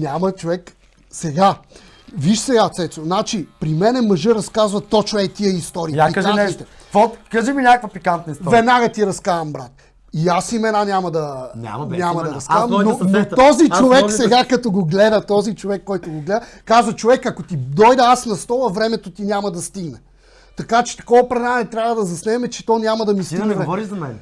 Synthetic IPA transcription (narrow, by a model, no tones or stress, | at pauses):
nʲamɐt͡ʃovɛk | sɛɡa | viʃsɛɡat̪sɛt̪sonat͡ʃipɾimɛnɛmɐʒəɾɐskazvɐt̪ɔt͡ʃɛt̪iɛist̪ɔɾiːapikaʒait̪ɛvɔt̪kaʒiminʲakəkvɐpikant̪nəistvɛd̪naɡɐt̪iɾɐskavɐmbɾat̪ | iasimɛnanʲamɐd̪ɐna̰nʲamɐd̪ɐɾɐskavɐmnonoɔzit͡ʃovɛkkssɛɡakɐt̪oɡoɡlɛd̪ɐt̪ɔzit͡ʃovɛkːɔjt̪oɡoɡlɛd̪ə | kazvɐt͡ʃovɛkɐkot̪id̪ɔjd̪ɐasnɐst̪ɔvɐvɾɛmɛt̪ot̪inʲamɐd̪ɐst̪iɡnɛ | t̪ɐkat͡ʃɛ̥t̪ɐ̥kɔvɐpɾɛnanɛt̪ɾʲavəd̪ɐzɐsnɛɛmɛt͡ʃɛ̥t̪ɔnʲamɐd̪ɐmist̪iɡnɛvɔɾizɐmɛn